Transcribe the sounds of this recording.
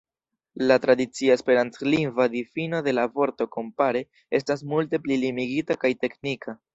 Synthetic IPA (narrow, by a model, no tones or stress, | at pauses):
latɾadit͡siaespe̞ɾantt͡sliŋvadifino̞de̞lavo̞ɾto̞ko̞mpaɾe̞ | e̞stas̬multe̞plilimiɡitakajte̞knikʰa